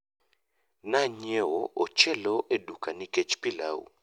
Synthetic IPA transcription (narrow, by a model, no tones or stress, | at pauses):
naɲɛwɔʔɔt͡ʃɛlɔʔɛɗukanikɛt͡ʃpila̰ṵ